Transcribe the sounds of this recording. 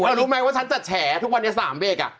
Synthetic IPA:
ɾuː˦˥ma˦˥waː˥˩t͡ɕʰa˦nt͡ɕa˨˩t͡ɕʰɛː˩˦t̪ʰu˥k̚wa˧nːi˦˥˩saː˩˦mbeː˧˩k̚a̰˨˩

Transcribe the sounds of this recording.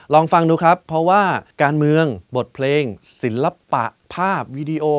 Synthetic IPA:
lɔː˧ŋfa˧ŋduː˦˥kʰɾa˦˥pʰːɾɔ˦˥waː˥˩kaː˧nmɯ˧əŋbo˨˩t̪̚pʰleː˧ŋsi˩˦nla˧pa̰˨˩ʔpʰaː˥˩p̚wiː˦˧diː˧ʔoː˧

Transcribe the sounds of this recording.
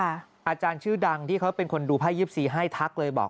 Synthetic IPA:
a˥˩ | ʔaː˧t͡ɕaː˧nt͡ɕʰɯː˥˩da˧ŋt̪ʰiː˥˩kʰa˦˥wpe˧nkʰo˧nduː˧pʰaː˥˩jɯː˦˥˩p̚siː˨˩ɦaː˥˩jt̪ʰa˦˥k̚lɤː˧jbɔ̰ː˨˩k̚

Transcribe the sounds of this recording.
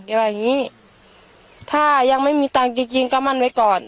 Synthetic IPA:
kɛ˧˩waː˧˩ŋiː˧˥˨ | t̪ʰaː˧˩jaː˧˩k̚ma˥˨jmiː˧˦t̪aː˧˩ŋki˧˩ŋki˧ŋka˧˥˩ma˧˥˨nwa˧˥˩jkɔː˨˩n

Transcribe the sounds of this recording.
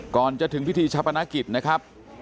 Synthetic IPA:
kɔː˨˩nt͡ɕa˨˩t̪ʰɯ˩˦ŋpʰi˦˥t̪ʰiː˧t͡ɕʰa˦˥pʰːa˧na˦˥ki˨˩t̪̚na˦˥kʰa˦˥p̚

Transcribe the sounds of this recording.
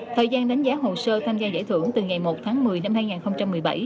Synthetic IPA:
t̪ʰəː˨˩jzaː˧nɗa˨˦jŋ̟zaː˨˦ɦo˨˩səː˧t̪ʰaː˧mzaː˧za̰˧˩jt̪ʰɨ˧˩əŋt̪ɨ˨˩ŋa˨˩jmo˨˩t̚t̪ʰaː˨˦ŋmɨ˨˩əjna˧mhaː˧jŋaː˨˩nxə˧wŋ͡mt͡ɕa˧mːɨ˨˩əjɓa̰˧˩j

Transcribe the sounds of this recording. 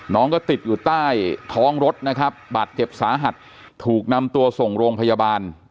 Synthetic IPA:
nɔː˦˥ŋkɔː˥˩t̪i˨˩t̪̚juː˨˩t̪aː˥˩jt̪ʰɔː˦˥ŋɾo˦˥t̪̚na˦˥kʰɾa˦˥p̚baː˨˩t̪̚t͡ɕe˨˩p̚saː˩˦ɦa˨˩t̪̚ʰː | uː˨˩k̚na˧mt̪u˧ɐso˨˩ŋɾoː˧ŋpʰa˧jaː˧baː˧n

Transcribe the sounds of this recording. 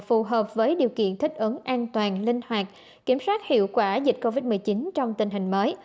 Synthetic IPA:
fu˨˩ɦəː˨˩p̚vəː˨˦jɗi˨˩əwkḭ˧˨ənt̪ʰï˥k̟̚ʔə˨˦ŋʔaː˧nt̪waː˨˩nlï˧ŋhwaː˨˩k̚ | ki˧˩əmswaː˦˥t̚hḭ˧˨əwkwaː˧˩zï˨˩k̟̚ko˧vi˦˥t̚mɨ˨˩əjt͡ɕi˨˦nt͡ɕɔ˧wŋ͡mt̪ï˧˩ŋ̟ɦï˨˩ŋ̟məː˨˦j

